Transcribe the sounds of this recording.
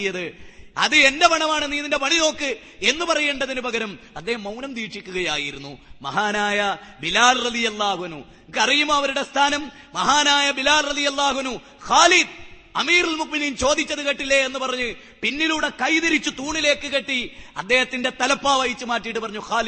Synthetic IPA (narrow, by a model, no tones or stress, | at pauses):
jɐðɨɐ̰ðɨe̞ndepɐɳɐmaːɳɨniːnːindepɐɳino̞ːkːɨ | e̞nːɨpɐrɐjeːɳɖɐðinubɐɡɐɾɐm | ɐd̪ːe̞ːhɐmːɐwnɐmt̪iːʈʂikʲːuɣɐjaːjiɾun̪ːumɐ̰ɦaːnaːjɐbilaːlrɐðijɐlːaːhuɐnu | kɐrijumːoːɐʋɐɾuɽest̪ʰaːnɐm | mɐɦaːnaːjɐbilaːlrɐðijɐlːaːhuɐnːu | xaːlid̪̚ | ɐmiːrilmuʔminimt͡ɕo̞ːd̪it͡ɕːɐðɨkɐʈːilːeenːɨpɐrɐɲːu | pinːiluːɽe̞kɐjðiɾit͡ɕːut̪uːɳile̞ːkːɨkeʈːiɐ̰d̪ːe̞ːhɐt̪ːinde̞t̪ɐlɐpːaːʋɐjit͡ɕːumaːʈːijʈːɨpɐrɐɲːuxaːli